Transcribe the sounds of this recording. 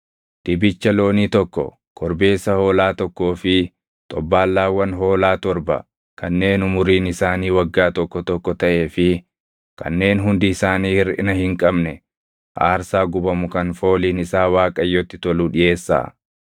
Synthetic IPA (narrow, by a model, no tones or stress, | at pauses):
d̪̥ɪbɪt͡ʃːɐlo̞ːniːt̪ɔkːɔ̰ | kʰɔɾbe̞ːsɐho̞ːlaːt̪ɔkːo̞ːfɪ | t̪ʼɔbːaːlːaːwːɐnɦo̞ːlaːt̪ɔɾbɐ̰ | kɐnːe̞ːnʊmʊɾiːnɪsaːniːwɐɡːaːt̪ɔkːɔt̪ɔkːɔt̪ɐʔe̞ːfɪ | kʰɐ̰nːe̞ːnɦʊnd̪ɪːsaːniːɪɾʔɪ̰nɐhɪŋkʼɐbnɛ | ʔaːɾsaːɡʊbɐmʊkɐnfo̞ːliːnɪsaːwaːkʼɐjːɔt̪ːɪ̥t̪ɔluːᶑɪje̞ːsːa̰ː